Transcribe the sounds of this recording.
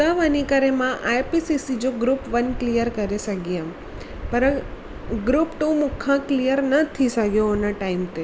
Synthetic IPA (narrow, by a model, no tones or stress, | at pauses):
aʋanikəɾemãʔajpisisid͡ʒoɡɾupʋənklijəɾkəɾesəɡijam | pəɾə̃ | ɡɾupʈ̪ũmʊkʰãklijəɾnət̪ʰisəɡjoːnaʈaimt̪e